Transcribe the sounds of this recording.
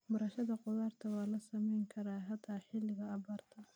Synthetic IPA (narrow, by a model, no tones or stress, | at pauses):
bɐɾɐʃɐðɐqʊðaːrt̪ʰɐwɑːlɐsɐmɛjŋkʰɐɾaːɦɐd̪ʰaːħɪlːɪɣɐːβaːrt̪ʰɐ